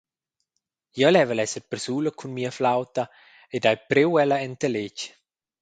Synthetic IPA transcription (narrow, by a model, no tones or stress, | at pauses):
jɛlɛvəlɛsəɾpəɾsuːləkʰunmiːəflawt̪a | edajpɾewɛlaɛnt̪əlet͡ʃ